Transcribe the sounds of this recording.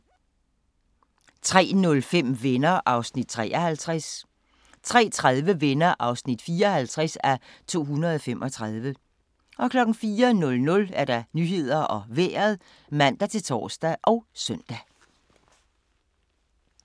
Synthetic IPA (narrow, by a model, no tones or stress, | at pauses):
t͡sʰʁɛ̰ːnɔ̽lfem̰ʋenɐʔɑ̈ʊsnid̥̚t͡sʰʁɛ̰ːʔɐhælt͡sʰʁɛs | t͡sʰʁɛ̰ːt͡sʰʁað̞ˠʋəʋenɐʔɑ̈ʊsnid̥fiːɐhælt͡sʰʁasæt͡sʰo̝̰ːɦunɐð̞ˠɒ̽fem̰ʔɒ̽t͡sʰʁɑð̞ˠʋə | ʔɒ̽kʰlɒ̽ɡ̥n̩fiːɐnɔ̽lnɔ̽læɐd̥ɑ̈nyɦe̝ð̞̰ˠɐɒ̽ʋḛːɐð̩ˠ | mæn̰d̥æt͡sʰe̝lt͡sʰɒ̰ːsd̥æʔɒ̽ʊsœn̰d̥æ